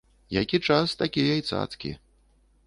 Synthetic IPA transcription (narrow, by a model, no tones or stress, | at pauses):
jakʲit͡ʂast̪akʲijajt̪sa̰t̪skʲḭ